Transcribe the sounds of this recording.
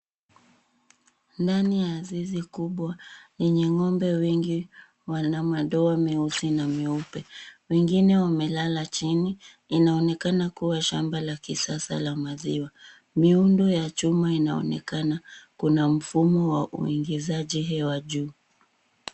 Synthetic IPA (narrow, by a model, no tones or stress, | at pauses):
ndanijaːzizikuɓwajɛɲɛŋɔmbɛwɛŋɡi | wanamaɗɔamiusinamiupɛwɛŋɡinɛwamɛlalat͡ʃini | inaɔnɛkanakuwaʃambalakisasa̰lamaziwa | miundujat͡ʃumainaɔ̰nɛ̰kanakunam̩fumɔwaʔṵiŋɡizaʄiɦɛwaʄuː